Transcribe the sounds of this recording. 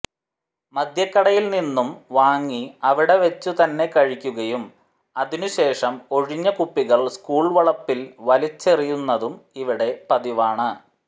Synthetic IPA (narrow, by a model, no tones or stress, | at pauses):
mɐd̪ʱjɐkːɐɽɐjilninːumʋaːŋːiɐʋiɽe̞ʋɐt͡ɕːut̪ɐnːe̞kɐɻikʲːuɣɐjum | ɐðinuɕe̞ːʂɐmo̞ɻiɲːɐkupːiɣɐɭskuːɭʋɐɭɐpːilʋɐlit͡ɕːerijunːɐðumiʋiɽe̞pɐðiʋaːɳɨ